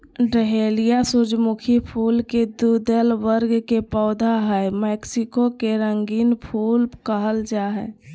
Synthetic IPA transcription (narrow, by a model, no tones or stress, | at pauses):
ɖəɦeːlijasʊd͡ʒmʊkʰipʰuːlked̪uːd̪əlʋəɾɡkepɔːd̪ʱaɦɛmɛːksɪkokeɾə̃ŋɡiːnpʰuːlkəɦəld͡ʒaːɦɛ̰ː